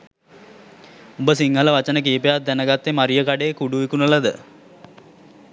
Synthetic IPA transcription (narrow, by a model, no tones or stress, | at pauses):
ubəsiŋɦələʋat͡ʃənək̬iːpejat̪̚d̪ænəɡat̪ːemaɾijəkaɖeːkuɖuʋikunəlad̪ə